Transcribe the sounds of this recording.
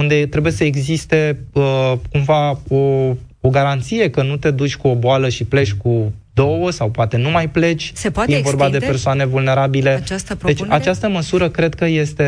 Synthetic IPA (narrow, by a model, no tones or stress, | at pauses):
und̪et̪ɾe̞buje̞səeɡzist̪e̞əkumvao̞ | oɡaɾant̪sije̞kənut̪e̞d̪ut͡ʃʲkuoboaləʃiple̞t͡ʃʲku | d̪o̞wəsawpoat̪e̞numajple̞t͡ʃʲievo̞rbad̪epe̞rsoane̞vulne̞ɾabile̞aset͡ʃat͡ʃast̪əməsuɾəkɾe̞d̪kəje̞st̪e̞